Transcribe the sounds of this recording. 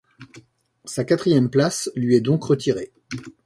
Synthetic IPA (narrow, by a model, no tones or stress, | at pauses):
sakat̪χijɛmplaslɥiɛd̪ɔ̃kʁət̪ʰiʁe